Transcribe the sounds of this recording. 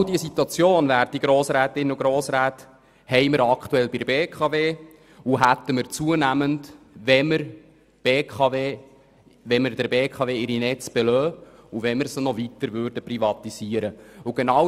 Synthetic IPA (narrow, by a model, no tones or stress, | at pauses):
diəsit̪uɑt͡sjoːnvæːɾd̥iɡ̥ɾoːsɾæːt̪ɪnəʊɡɾoːsɾæːt | hɛɪməɾɑkχtuɛlbɪdəbeːkʰɑveː | uɦæt̪ːəməɾt͡suənæmənd | ʋɛməɾ | b̥eːkχɑveː | ʋɛməɾdəɾbeːkʰɑveːɪɾinɛt͡sb̥ɛlœːuvɛnməɾsənɔvit̪əɾvʏːɾdəprivɑt̪iz̥iːəɾəuɡ̥enɑw